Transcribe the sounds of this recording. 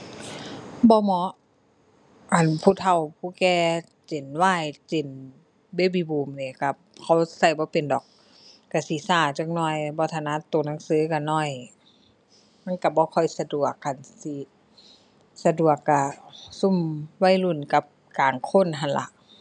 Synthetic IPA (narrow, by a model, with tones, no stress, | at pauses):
bɔː˧˦mɔ˧˦˥ʔ | ʔa˨npʰuː˧˨t̪ʰa˧˩wpʰuː˧˨kɛː˧˦ | t͡ɕe˨˩nwaː˧˥˨jt͡ɕe˨˩n | be˧˥˨bi˧˦buː˨˩mni˧˩˨ka˧˩ | kʰa˧˩wsa˧˩jbɔː˧˦pe˨ndɔː˨˩k̚ː | a˧˩si˧˦saː˧˩t͡ɕa˧˦k̚nɔː˧˩jbɔː˧˦t̪ʰa˧˨na˧˥˨t̪oː˨na˧˥˨ŋsɯː˧˦˨ka˧˩nɔː˧˩˨j | ma˧˥˨nka˧˩bɔː˧˦kʰɔ˧˩˨jsa˧du˨˩ək̚ːa˧˨nsi˧˦ | sa˧du˨˩əkːa˧˩su˧˥˩mwa˧˥˨jlu˧˩˨nka˧˦p̚ | kaː˨˩ŋkʰo˧˥˨nɦa˧˨nla̰˧˦ʔ